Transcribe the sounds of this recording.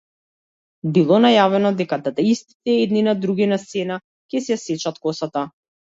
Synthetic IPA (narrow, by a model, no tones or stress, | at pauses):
bilˠɔnajavɛnɔd̪ɛkad̪at̪aist̪i̥t̪ɛɛd̪ninad̪ɾuɡʲinast̪sɛna | cɛsɛjasɛt͡ʃat̪kɔsat̪a